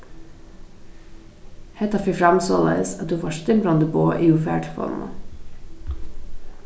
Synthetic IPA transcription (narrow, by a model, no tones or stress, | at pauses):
hɛt̪ɑfifɾɑmsolə̰sɑt̪̚d̪ʉːʋɑːʃt̪ɪmɾɑnd̪əboːʔiːufæ̰ːʈʰfɔ̰lmɑ̰